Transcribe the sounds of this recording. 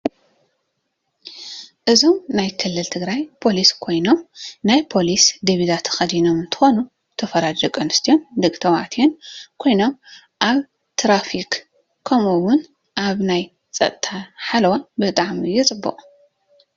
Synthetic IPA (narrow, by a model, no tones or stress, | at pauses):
ʔɨzo̞mnajkʰɨlːɨlt̪ʰɨɡɾajpʰo̞liskʰo̞jno̞mnajpʰo̞lisd̪ɨβid̪at̪ʰxɐd̪ino̞mɨnt̪ʰɨ̥xo̞nu | t̪ʰɐfɐɾad͡ʒɐkʼɐnɨst̪ʰijo̞nd̪ɨkʼt̪ʰɐwa̰ʕt̪ʰijonkʰo̞jno̞m | ʔaβ | t̪ʰɾafik | kʰːɐmuwʊn | ʔaβnaj | t͡sʼɐ̰t̪ʼt̪ʰaħalwabɨt̪ʼaʕmijːɛt͡sʼɨbːɨ̰χʼ